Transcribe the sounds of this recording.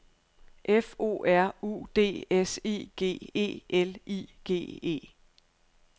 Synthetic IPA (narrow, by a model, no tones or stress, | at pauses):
ʔefo̝̰ːʔæɐ̰ṵːd̥e̝̰ːese̝̰ːɡ̥e̝̰ːe̝̰ːelḭːɡ̥e̝̰ːe̝̰ː